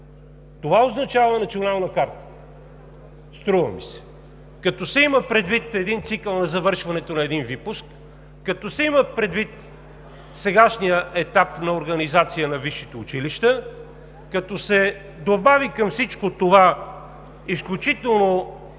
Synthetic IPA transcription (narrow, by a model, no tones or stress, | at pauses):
t̪ovaoznɐt͡ʃavənɐt̪sionalˠnɐkaɾt̪ə̥ | st̪ɾuvɐ̰mḭsɛ̥ | kɐt̪ɔsɛiməpɾɛd̪vit̪ɛd̪int̪sikəlˠnɐzɐvɤɾʃvɐnɛt̪onɐɛd̪invipʊskː | ɐt̪ɔsɛiməpɾɛd̪vit̪ | sɛɡaʃnijəʔɛt̪apnɐoɾɡɐnizat̪sijənɐviʃit̪ɛʊt͡ʃiliʃt̪ə | kɐt̪ɔsɛ | d̪obavikɐmfsit͡ʃkot̪ova | isklʲut͡ʃit̪ɛlˠno